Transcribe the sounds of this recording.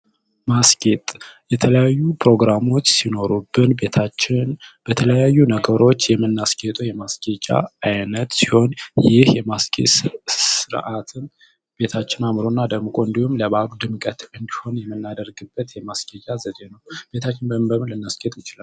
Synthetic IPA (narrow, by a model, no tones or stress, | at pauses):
maskʼet̪ʼjɛt̪ʰələjajːupɾo̞ɡɾamo̞t͡ʃːsino̞ɾubːɨnbet̪ʰat͡ʃːɪnb̥ət̪ʰələjajːunəɡəɾo̞t͡ʃːjɛmːɨnːaskʼet̪ʼujɛmaskʼet͡ʃʼa̰ajnət̪si̥ho̞njɪhjɛmaskʼesɨɾʔat̪ʰɨn | b̥e̞t̪ʰat͡ʃːɪnamɾonːad̪əɡmɨkʼoɨnd̪ihumləβaɡud̪ɨmkʼət̪ɨnd̪iho̞njɛmːɨnːad̪əɾɡɨbːət̪jɛmaskʼet͡ʃʼazəd̪enəwb̥e̞t̪ʰat͡ʃːɪnbəmɨbəmɨnlɨnːaskʼe̞t̪ʼjɪt͡ʃɪlal